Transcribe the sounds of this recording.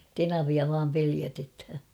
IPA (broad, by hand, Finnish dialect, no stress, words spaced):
tenɑʋiɑ ʋɑːm peliætethæ